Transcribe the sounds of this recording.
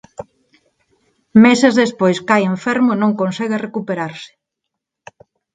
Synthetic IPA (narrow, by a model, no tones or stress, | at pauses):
mɛsezðespojskajeɱfɛɾmʊenõŋkonsɛɣerekupeɾaɾsɪ̥